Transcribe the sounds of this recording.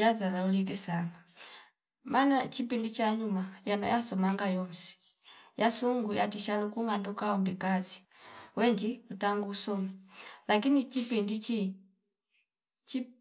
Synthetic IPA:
jazalaulik̬ɛsana | manat͡ʃipindit͡ʃaɲumajana̰jasɔmaŋɡajɔnsi̥ | jasuŋɡujatiʃalukuŋɡandukaɔmbikazi | wɛɲd͡ʒiutaŋɡuːsɔmalakinit͡ʃipindit͡ʃi | t͡ʃi

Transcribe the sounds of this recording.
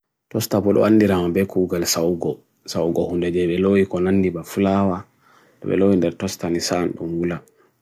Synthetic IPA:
tɔstapɔɗɔ̰anːdiɾamabɛkuːɡalsawɡɔ | sawɡɔhundɛd͡ʒɛɓɛlowikɔnanːdibafulawa | ɗɔ̰ɓɛ̰lowindɛɾtɔstanisanɗṵmwula

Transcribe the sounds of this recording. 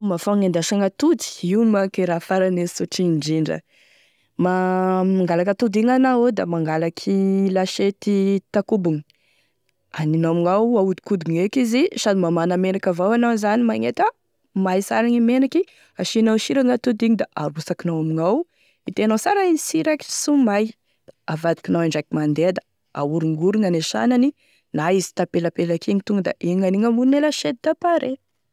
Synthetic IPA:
mafaŋend̪aʃaŋat̪ud̪i̥iunimakeɾafaɾanesuʈ͡ʂiɳɖ͡ʐiɳɖ͡ʐə̰ | mamaŋɡalakat̪ud̪iŋanawed̪a̰maŋɡalakʰilaʃet̪it̪akubuŋi | aninamiŋawaud̪i̥kud̪uŋekizisad̪imamanəmenakavawanawzanimaŋet̪a | majsaɾaŋimenaki | aʃinawʃiɾaŋat̪ud̪iŋid̪aʔaɾusakinawamiŋaw | it̪eanawsaɾainisiɾaki̥sumaj | d̪̥aavad̪i̥kʲinawaɳɖ͡ʐakimand̪ed̪ə̥ | a̰uɾiŋɡuɾiŋaneʃa̰nani | naizi̥t̪apelapelakʰiŋit̪uŋɡd̪a̰ʔeŋaniŋamunelaʃet̪̚id̪apaɾe

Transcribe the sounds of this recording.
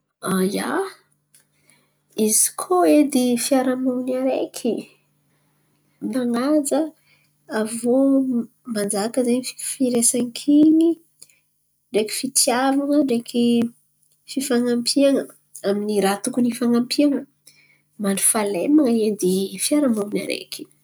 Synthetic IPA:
aja̰ | izi̥kʰoed̪ifiaɾamanaɾekʰi | maŋad͡zə | avo | mand͡zakəzanifi̥kfiɾesaŋkʰiɲi | ɳɖ͡ʐeki̥fit̪iavaŋəɳɖ͡ʐekʰi | fifaŋampʰiaŋə | aminiɾat̪ukunifaŋampʰiaŋə | manɖ͡ʐi̥falemaŋəed̪ifiaɾamawna̰ɾḛkʰi̥

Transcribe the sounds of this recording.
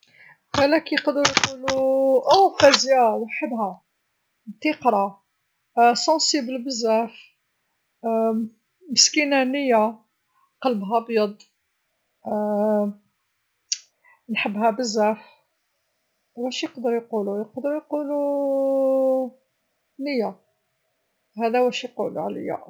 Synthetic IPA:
qælækjqd̪əɾjquluʔæfæzjæwħəbhæ | bt̪iqɾˤɑ | sɑ̃siblbəzːæf | məskinænəjːa | qɑləbɦæbjɑd̪ˤ | nħəbːɦæbəzːæf | wæʃjəqd̪əɾjqulujəqd̪əɾjqulu | nəjːa | hæd̪æwæʃijqul̰ʕlə̰jːa̰

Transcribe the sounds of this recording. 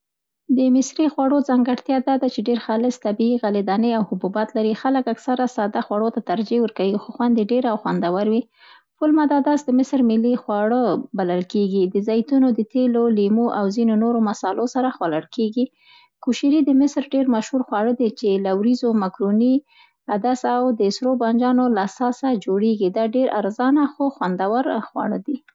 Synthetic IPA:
d̪əmɪsɾixwɑɽozaŋɡaɽt̪jɑd̪ɑd̪at͡ʃeɖeɾxɑlɪst̪abiiɣalid̪ɑnəawhʊbubat̪laɾixaləkaksaɾasɑd̪axwaɽot̪at̪aɾd͡ʒewəɾkawixoxwand̪eɖeɾawxwand̪awaɾwi | fʊlmad̪ɑd̪ɑsd̪əmɪsɾmɪlːixwɑɽəbalalkeɡid̪əzajt̪unod̪ət̪elolimuʔawzinonoɾomasɑlosaɾaxwalaɽkeɡi | kuʃiɾid̪əmɪsɾɖeɾmaʃhuɾxwɑɽəd̪et͡ʃelawɾizomakɾuni | ad̪asawd̪əɪsɾoband͡ʒɑnolaːsɑsad͡ʒoɽeɡid̪ɑɖeɾʔa̰ɾzɑnaxoxwand̪awaɾxwɑ̰ɽə̰d̪i

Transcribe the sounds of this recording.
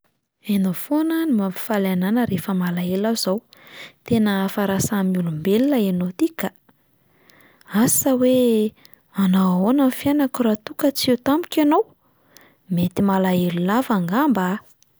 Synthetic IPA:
enafonənimampi̥falananəɾefəmalaelazawt̪enəfaɾasamiulumbelilaenot̪ika | asawe | anawonənfjanakuɾat̪ukət͡siewt̪amikʲanow | met̪imalaelulavaŋɡamba

